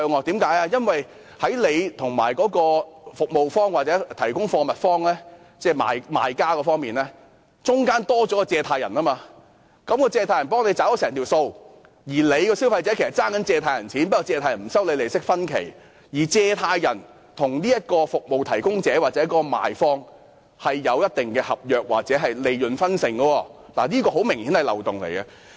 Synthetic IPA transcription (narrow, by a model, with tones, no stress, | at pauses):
œː˧ŋɔː˨˧t̪iː˨˥mkaː˨˥jaː˧jɐ˥nwɐ˨j | hɐ˨˥jle˨˧jt̪ʰʊ˨˩ŋma̰ː˨˩jkɔː˨˥kɔː˧fʊ˨k̚mo˨wfɔː˥ŋwaː˨˩t͡sɛː˨˥t̪ʰɐ˨˩jkʊ˥ŋfɔː˧mɐ˨t̚fɔː˥ŋlɛː˥ | t͡sɛː˥˩ma̰ː˨˧jma̰ː˨˧jkaː˥kɔː˧fɔː˥ŋmiː˨nlɛː˥ | t͡sʊ˥ŋkaː˥nt̪ɔː˥t͡ʃɔː˨˥kɔː˧t͡sɛː˧t̪ʰaː˧jɐ˨˩nɐː˥maː˧ | kɐ˨˥mkɔː˧t͡sɛː˧t̪ʰaː˧jɐ˨˩npɔː˥ŋle˨˧t͡saː˨˥wɔ˨˥sɛː˨˩ŋt̪ʰiː˨˩wso˧w | jiː˨˩le˨˧jkɔː˧si˥wfɐ˧jt͡sɛː˨˦˥kʰe˨˩sɐ˨˩t͡saː˥ŋkɐ˨˥nt͡sɛː˧t̪ʰaː˧jɐ˨˩nt͡sʰiː˨˥npɐ˥kɔ˨˧t͡sɛː˧t̪ʰa˧jɐ˨˩nm̩˨˩sɐ˥wle˨˧jle˨˩jsɪ˥k̚fɐ˥nkʰe˨˩j | jiː˨˩t͡sɛː˧t̪ʰaː˧jjɐ˨˩n | t̪ʰʊ˨˩ŋniː˥jɐ˥t̚kɔː˧fʊ˨k̚mo˨wt̪ʰɐ˨˩jkʊ˥ŋt͡sɛː˨˥waː˨t͡sɛ˨˦˥kɔː˧ma̰ː˨jfɔː˧ŋ | hɐ˨jːɐ˨˧wjɐ˥t̚t̪ɪ˨ŋkɛː˧hɐ˨p̚jœː˨˧k̚wa̰ː˨k̚t͡sɛː˨˥ɦɐ˨jle˨jlɵ˨nfɐ˥nsɪ˨˩ŋɡɔː˧wɔː˧ | laː˨˩niː˥kɔː˧ɦo˨˥wmɪ˨˩ŋhiː˨˥nhɐ˨jlɐ̰˨˩wt̪ʊ˨˩ŋlḛ˨˩jɡɐ˧